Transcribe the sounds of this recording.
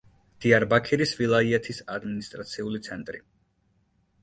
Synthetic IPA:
d̪̥iaɾbakʰiɾisvilˠaiɛt̪ʰisad̪minist̪ʼɾat̪sʰiulit̪sʰɛnt̪ʼɾḭ

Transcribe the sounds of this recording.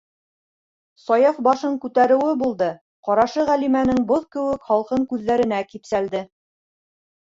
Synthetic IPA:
sɒjɑfbɑʃɤɴkʉt̪æɾɘ̆wɘbulˠd̪ɤ | qɒɾɑʃɤʁælimænɘŋboðkɘ̆wɘkχɑlˠqɤɴkʉðːæɾɘ̆nækipsæld̪ɘ

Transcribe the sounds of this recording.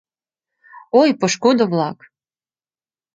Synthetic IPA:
ojpoʃkod̪ə̆vlˠɑk

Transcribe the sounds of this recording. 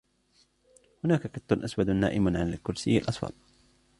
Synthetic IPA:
hʊnaːkakat̪ːʊnʔaswad̪nːa̰ːʔɪmʕanalkʊɾsɪjːalʔɑsˤfɑ̰t̪̚ˤ

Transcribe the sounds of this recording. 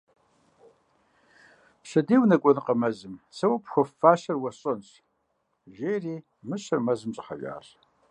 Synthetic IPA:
ɕɐdiːwnɐkʷʼɔnɨqɐmɐzɨmsɐwɐpxʷɔfːaːʃɐrwɐɕʼɐnɕʰʼ | ʒeːjriː | mɨɕɐrmɐzɨmɕʼɪħɐ̰ʒʷʼa̰ːr

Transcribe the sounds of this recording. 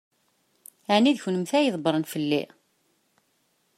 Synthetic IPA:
ʕniðçnəmθæjəðˤbɾˤənfəlːḭ

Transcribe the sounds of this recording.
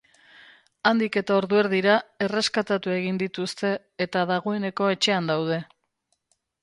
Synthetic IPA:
and̪ike̞t̪ao̞ɾðueɾðiɾae̞re̞skat̪at̪ue̞ɣind̪it̪ust̪e̞ːt̪aðaɣ̞o̞e̞ne̞ko̞e̞t͡ʃe̞and̪awð̞e̞

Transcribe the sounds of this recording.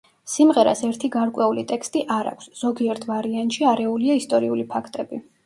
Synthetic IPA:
simʁɛɾa̰sɛɾt̪ʰiɡaɾkʼwɛulḭt̪ʼɛkst̪ʼiʔaɾa̰kʷʰsz̥ɔɡiɛɾt̪ʰvaɾiant̪ʼʃiaɾɛuliaist̪ʼɔɾiulipʰakʰt̪ʼɛbi

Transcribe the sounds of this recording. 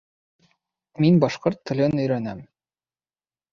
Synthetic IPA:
minbɒʃqoɾt̪ːɘ̆lʲɘnɵ̆jɾænæm

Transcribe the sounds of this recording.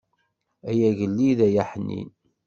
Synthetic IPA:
æjæʝəlːiðæjæħnːḭn

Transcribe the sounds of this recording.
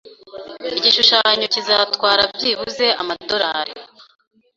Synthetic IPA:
iɟiʃuʃaɲo̞cizatwaːɾabɟiβuze̞a̰mado̞ɾaːɾḛ

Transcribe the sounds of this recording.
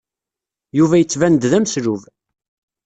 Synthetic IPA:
juvæjət͡sːvænd̪ðæmsɾuv

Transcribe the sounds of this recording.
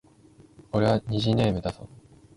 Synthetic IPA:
o̞ɾe̞βaɲ̟iʑineːmɯd̪aso

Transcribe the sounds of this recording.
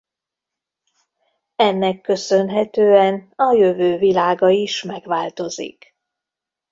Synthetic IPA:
ɛnːɛkːø̞sø̞nɦɛt̪øːɛnɒjø̞vøːvilaːɡɒiʃmɛɡʋaːlt̪o̞zḭk

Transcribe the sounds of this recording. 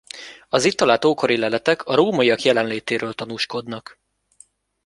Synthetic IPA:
ɒzit̪ːɒlaːt̪oːko̞ɾilɛlɛt̪ɛkʰɒɾoːmɒiɒkjɛlɛnleːt̪eːɾøːlt̪ɒnuːʃko̞d̪nɒk

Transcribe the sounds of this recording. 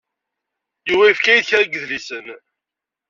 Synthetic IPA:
juwæifkæjðçæɡəðlisən

